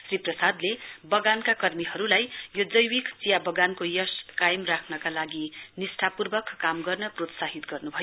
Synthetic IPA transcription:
sriprʌsad̪lebʌɡankakʌrmiɦʌɾulajjod͡zʌjwikt͡sijabʌɡankojʌskajemrakʰnʌkalaɡinisʈʰapurbʌkːamɡʌrnʌprot̪saɦit̪ɡʌrnubʱʌjo

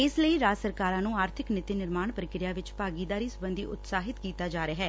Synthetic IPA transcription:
ɪsləiːɾaːsəɾkaːɾãːnũːaːɾt̪ʰɪknɪt̪iːnɪɾmaːɳpəɾɪkɾɪjaːʋɪt͡ʃpaːɡiːd̪aːɾiːsəbə̃nd̪iːʔʊ̰t̪saːɦɪt̪kiːt̪aːd͡ʒaːɾejaːɦɛː

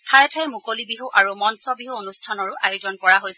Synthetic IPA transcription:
tʰajɛtʰajmukolibiɦuʔaɹumɔnsɔbiɦuonustʰanɔɹʊʔajozɔnkɔɹaɦojs

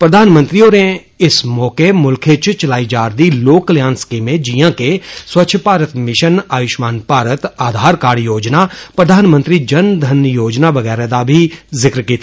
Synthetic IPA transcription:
pɾɐd̪ʱaːnmə̃nt̪ɾioːɾe | ɪsmɔːkemʊlkʰet͡ʃt͡ʃɐlaːid͡ʒaːɾd̪iloːkljãːnskimẽd͡ʒijãkeswɐtːʃʰpaːɾət̪mɪʃənaːjʊʃmaːnpaːɾət̪aːd̪ʱaːɾkaːɽjoːd͡ʒnapɾəd̪ʱaːnmə̃nt̪ɾid͡ʒɐnd̪ʱɐnjoːd͡ʒnaʋɐɣɛːɾad̪abʱizɪkɾkiːt̪ʰi

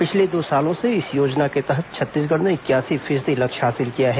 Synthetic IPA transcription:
pɪt͡ʃʰled̪oːsaːlõseɪsjoːd͡ʒnaket̪ɛɦət̪̚t͡ʃʰɐt̪ːiːs̬ɡɐɽneɪkjaːsifʰɪːsd̪ilɐkʃɦaːsɪlkijaɦɛː

